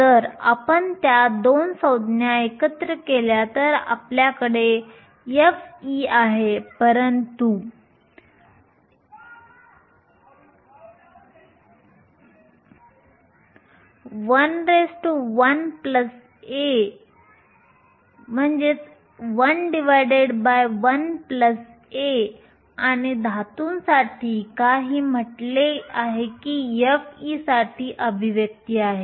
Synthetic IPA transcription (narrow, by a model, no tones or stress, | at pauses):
t̪əɾa̰pəɳt̪jad̪onsəwd̪ʱnjaekət̪ɾəkeljat̪əɾa̰pljakəɽe | jefiaɦepəɾənt̪u | ʋənɾesʈuʋənpləs | e | m̤ənd͡ʑe | ʋənɖiʋajɖeɖbajʋənpləs | e | aɽ̃id̪ʱat̪uːnsaʈʰiːkaɦiːm̤əʈleaɦekijefisaʈʰiʔəbʱiʋjək̚t̪iaːɦe